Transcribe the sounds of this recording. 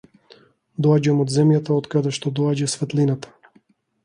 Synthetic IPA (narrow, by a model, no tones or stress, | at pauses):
d̪ɔaɟamod̪zɛmjat̪aɔt̪kad̪ɛʃt̪ɔd̪ɔaɟasvɛt̪linat̪ḁ